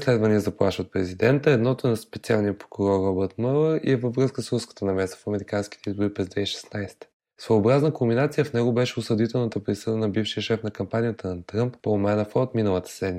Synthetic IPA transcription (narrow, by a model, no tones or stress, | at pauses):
slɛd̪vɐniəzɐplˠa̰ʃvət̪̚pɾɛzid̪ɛnt̪əɛd̪nɔt̪ʊɛnɐspɛt̪sʲialˠniəpɾokʊɾɔrɔbəɾt̪mɤlˠəɾḭɛvəvɾɤskəsɾuskə̥t̪ənɐmɛst̪ə̥fɐmɛɾikanski̥t̪ɛizbʊɾipɾɛzd̪vɛiʃɛ̥snajst̪ə̥ | svojobɾaznəkʊmbinat̪sijəfnɛɡʊbɛʃɛʊsəd̪it̪ɛlˠnət̪əpɾisəd̪ənɐbifʃiəʃɛfnɐkɐmpanijət̪ənɐt̪ɾəmpːomɛnɐfɔot̪minəlˠət̪ə̥sɛd̪nmi